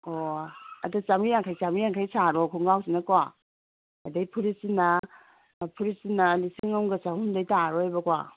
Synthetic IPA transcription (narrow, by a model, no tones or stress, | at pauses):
ɔɐdɔt͡ʃamɾijaŋkʰajsamijaŋkʰajsaɾɔkʰuŋɡawsinakwa | ɐdajpʰuɾisinːa | pʰuɾisinalisiŋawŋɡɐsahundajtaɾɔhajbɐkwa̰